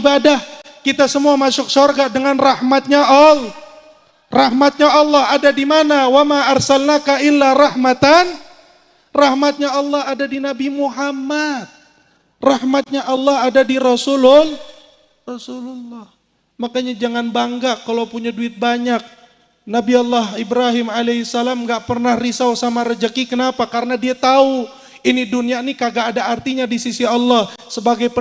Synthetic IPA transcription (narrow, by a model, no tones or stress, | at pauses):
badah | kit̪asəmuamasʊk̚sɔrɡadəŋanrahmat̪̚ɲaʔɔl | raɦmat̪̚ɲaɑlːɔhadadimanawamaːrsalnakailːarahmat̪an | rahmat̪̚ɲaɑlːɔhadadinabimuɦamat̪̚ | rahmat̪̚ɲaʔɑlːɔhadadiɾɔsulʊl | rɔsululːɑh | makaɲad͡ʒaŋanbaŋɡakːalawpuɲaduɪt̪̚baɲak̚ | nabiɔlːahibɾaɦɪmaleisalamŋɡaʔpərnahrisawsamaɾəd͡ʒəkikənapakaɾənadiat̪au | inidunianikaɡaːdaart̪iɲadisisiɑlːɔhsəbaɡajpə